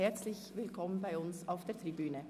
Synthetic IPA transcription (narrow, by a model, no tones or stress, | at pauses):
hɛɾt͡slɪçʋɪlkʰɔmənbaɪʊnsaʊfd̥eːt̪ʁibyːnə